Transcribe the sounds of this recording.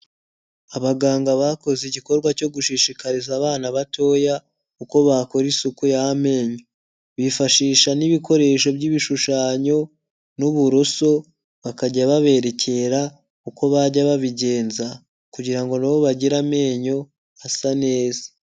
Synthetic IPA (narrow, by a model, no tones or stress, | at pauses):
aβaɡaːŋɡaβako̞zeɟiko̞ɾɡwaco̞ɡuʃiʃikaɾizaːβaːnaβato̞ːja | kuko̞βako̞ɾisukujaame̞ːɲo | βifaʃiːʃaniβiko̞ɾe̞ːʃ̬o̞bɟiβiʃuʃaːɲo̞ | nuβuɾoso̞ | βakaɟaβaβe̞ɾe̞cʰe̞ɾa | kuko̞βaɟaβaβiɟe̞ːnza | kuɟiɾaŋɡo̞naβo̞βaɟiɾame̞ːɲo̞ | asane̞ːze̥